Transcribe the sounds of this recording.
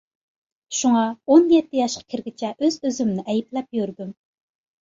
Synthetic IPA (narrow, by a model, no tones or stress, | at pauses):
ʃuŋɑonjɛt̪ːɪjɑʃqʰɑ̥kʲʰɪɾɡʲit͡ʃʰɛʔøzøzymnɪʔɛjiplɛp̚jøɾd̪ym